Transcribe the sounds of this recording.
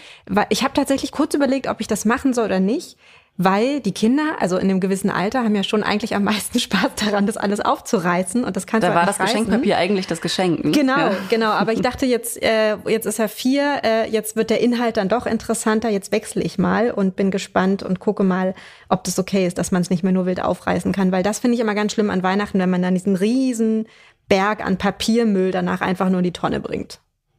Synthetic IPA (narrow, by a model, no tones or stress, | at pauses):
vaɪlʔɪçhaːbə̥tʰaːtz̥ɛçlɪçkʰʊɐt͡syːbɐleːk̚tʔɔ̰pɪçd̥asmaχn̩zɔlʔoːdɐnɪçt | vaɪld̥iːkʰɪndɐʔa̰lzoʔɪ̰ndeːmɡəvɪsn̩ʔa̰ltɐhaːm̩jaːʃoːnʔa̰ɪɡŋ̩tlɪçamːaɪstn̩ʃpaːsd̥aʁandasʔa̰ləsʔa̰ʊft͡suʁaɪsn̩ʊ̰nt̚d̥askʰansdavaːdasɡaɪʃɛŋkpapiːɐʔa̰ɪɡŋ̩tlɪçd̥asɡ̥əʃɛŋknəɡənaʊɡ̥ənaʊʔaːbɐɪçd̥aχtəjɛt͡stʔɛːjɛt͡stɪsjaːfiːɐʔɛːjɛt͡stv̥ɪɐt̚d̥eːɐʔɪnɦalt̚d̥andɔχʔɪ̰ntəʁəsantɐjɛt͡stv̥ɛksl̩ʔɪ̰çmaːlʔʊnt̚b̥ɪnɡəʃpantʊ̰ntkʰʊkəmaːl | ʔɔp̚d̥asokʰeːɪst̚d̥asmansnɪçtmeːɐnuːɐvɪltʔa̰ʊfʁ̥a̰ɪsn̩kʰanvaɪldasfɪndəɪçʔɪmɐɡansʃlɪma̰nvaɪnaχtn̩vɛnmandandiːzn̩ʁiːzn̩ | b̥ɛɐka̰npʰapʰiːɐmʏldana̰ːχʔa̰ɪnfaχnuːɐdiːtʰɔnə̰bʁɪ̰ŋt